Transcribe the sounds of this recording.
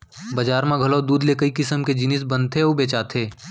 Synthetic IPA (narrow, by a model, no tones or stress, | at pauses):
bɐd͡ʒaːɾmãɡʱɐlod̪uːd̪lekɐikɪsəmked͡ʒɪnɪs̬bɐ̃nt̪ʰeobeːt͡ʃaːt̪ʰeː